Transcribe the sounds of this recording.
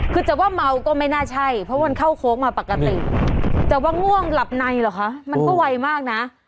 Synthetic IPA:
kʰɯː˧t͡ɕ̪aː˨˩waː˥˩ma˧˦˥wkɔː˥˩ma˥˩jnaː˥˩t͡ɕʰa˥˩jpʰɾɔ˦waː˥ma˧nkʰa˥˩wkʰoː˦˥k̚maː˧pa˨˩kːa˧t̪i˨˩t̪a˨˩waː˥˩ŋu˥˩əŋla˨˩p̚na˧jla˨˩kʰa˦˥ʔma˧nkɔː˥˩wa˧jmaː˥˩k̚na˦˥ʔ

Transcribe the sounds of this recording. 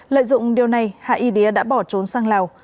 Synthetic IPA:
lə̰ː˧˨jzʊ̰˧˨ŋ͡mɗi˨˩əwna˨˩jha̰ː˧˨ʔi˨˧˩ɗe˨˦əɗa̰ː˧˥ɓɔ˧˩t͡ɕo˨˦nsaː˧ŋlaː˨˩w

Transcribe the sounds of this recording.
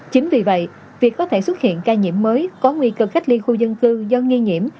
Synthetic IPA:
t͡ɕï˨˦ŋ̟vi˨˩və̰˧˨j | vi˨˩əkːɔ˨˦t̪ʰe˧˩swə˦˥t̚hḭ˧˨ənkaː˧ɲḭ˧˩əmːəː˨˦jkɔ˨˦ŋwi˧kə˨˧˩xa˦˥k̚li˧xu˧zə˧nkɨ˧zɔ˨˦ŋi˧ɲḭ˧˩˨əm

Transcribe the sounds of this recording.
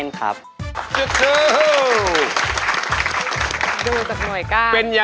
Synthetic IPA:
nkʰa̰˦˥p̚t͡ɕu˧t̪̚sɯː˧ | do˧˩k̪a˨˩k̚nu˨˩əjkaː˥˩pe˧nja˨˧

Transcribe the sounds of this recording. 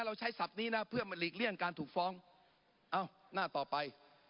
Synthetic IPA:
ɾa˧wt͡ɕʰa˦˥jsa˨˩p̚niː˦˥na˦˥pʰɯ˥˩əma˧liː˨˩k̚li˥˩ənkaː˧nt̪ʰuː˨˩k̚fɔː˦˥ŋ | ʔa˧˩w | naː˥˩t̪ɔː˨˩pa˧j

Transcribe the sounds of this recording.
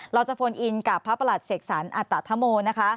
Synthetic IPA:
ɾa˧wt͡ɕa˨˩pfʰo˧nʔi˧nkaː˨˩pʰːa˦˥pːa˧la˨˩t̪̚se˨˩k̚saː˩˦nʔa˨˩t̪ːa˨˩t̪ʰːa˦˥moː˧na˦˥kʰa˦˥

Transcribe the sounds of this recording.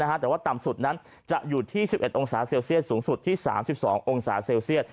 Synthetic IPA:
kʰa˦˥t̪ɛː˨˩waː˥˩t̪a˨˩msu˨˩t̪̚na˦˥n | t͡ɕa˨˩ʔjuː˨˩t̪ʰiː˥˩si˨˩p̚ʔe˨˩t̪̚ʔo˧ŋsaː˩˦seː˧wsi˥˩ət̪̚suː˩˦ŋsu˨˩t̪ʰːiː˥˩sa̰ː˩˦msi˨˩p̚sɔ̰ː˩˦ŋʔo˧ŋsaː˩˦seː˧wsi˥˩ət̪̚

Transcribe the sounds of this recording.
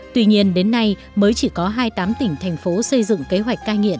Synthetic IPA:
t̪wi˧ɲi˧ənɗe˨˦nːa˧j | məː˨˦jt͡ɕi˧˩kɔ˨˦ɦaː˧jt̪aː˨˦mt̪ï˧˩ŋ̟t̪ʰɛ˨˩jŋ̟fo˨˦sə˧jzɨ̰˧˨ŋ͡mke˨˦ɦwa˨˩jk̟̚kːaː˧jŋḭ˧˨ən

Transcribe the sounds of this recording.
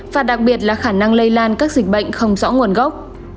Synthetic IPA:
vaː˨˩ɗa˨˩k̚ɓi˨˩ət̚laː˨˩xaː˧˩na˧ŋlə˧jlaː˧nkaː˦˥k̚zi˨˩k̟̚ɓə̰˧˨jŋ̟xə˧wŋ͡mzɔ̰˧˥ŋu˨˩ənɣə˦˥wk͡p̚

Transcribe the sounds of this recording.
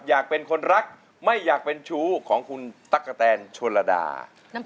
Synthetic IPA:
jaː˨˩k̚pe˧nkʰo˧nɾa˦˥k̚ | ma˥˩jːaː˨˩k̚pe˧nt͡ɕʰuː˦˥kʰɔː˩˦ŋkʰu˧nt̪a˦˥˩kːa˧t̪ɛː˧nt͡ɕʰu˧la˧da̰ː˧˦

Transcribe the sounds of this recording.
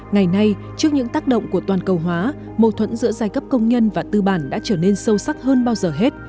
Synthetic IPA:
ŋa˨˩jna˧j | t͡ɕɨ˦˥ək̚ɲɨ̰˧˥ŋt̪aː˦˥k̚ɗə̰˧˨wŋ͡mku˧˩ət̪waː˨˩nkə˨˩wɦwaː˨˦ | mo˨˩t̪ʰwə̰˧˥nzɨ̰˧˥əzaː˧˩jkə˦˥p̚kə˧wŋ͡mɲə˧nvaː˨˩t̪ɨ˧ɓaː˧˩nɗa̰ː˧˥t͡ɕəː˧˩ne˧nsə˧wsa˦˥k̚həː˧nɓaː˧wzəː˨˩ɦe˦˥t̚

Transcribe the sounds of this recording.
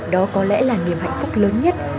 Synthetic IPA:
ɗɔ˨˦kɔ˨˦lɛ̰˧˥laː˨˩ni˨˩əmha̰˧˨jŋ̟fʊ˦˥k͡p̚ləː˨˦nɲə˦˥t̚

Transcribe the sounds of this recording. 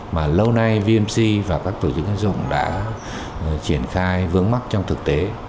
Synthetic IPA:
maː˨˩lə˧wna˧jvi˧əmsi˧vaː˨˩kaː˦˥kt̪ʰu˧˩t͡ɕɨ̰˨˧˦kʔa˧˥zʊ̰˧˨ŋ͡mɗa̰ː˧˥ | t͡ɕi˧˩ənxaː˧jvɨ˨˦əŋma˦˥t̚t͡ɕɔ˧wŋ͡mt̪ʰɨ˨˩k̚t̪e˨˦

